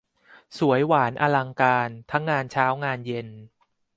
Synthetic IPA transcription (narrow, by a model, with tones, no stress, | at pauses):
su˩˦əjwaː˩˦nʔa˧la˧ŋkaː˧nt̪ʰa˦˥ŋːaː˧nt͡ɕʰaː˦˥wŋaː˧nje˧n